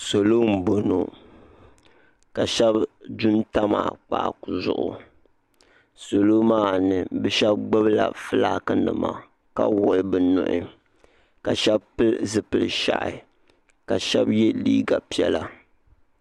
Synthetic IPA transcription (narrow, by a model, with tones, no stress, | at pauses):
so˨lo˦m̩˦˨bo˨no˨ | ka˨ʃɛ˦bdu˦nta˦ma̰˨k͡pa̰˨ku˨zʊ˨ʔʊ̰˨ | so˨lo˦maː˦nɨ˨bɛ˦ʃɛ˦b̚ɡ͡bɨ˦bla̰˨fɨ˦laː˦kɨ˦nɨ˨ma̰˨ | ka˦wɔ˨˦bɨ˨nʊ̰˨ʔɪ̰˦ | ka˨ʃɛ˦bpɨ˦zɨ˨pɨ˨lʃa̰˨ʔɪ̰˨ | ka˨ʃɛ˦bjɛ˦liː˦ɡa˨pi˦ɛ˦˨la˦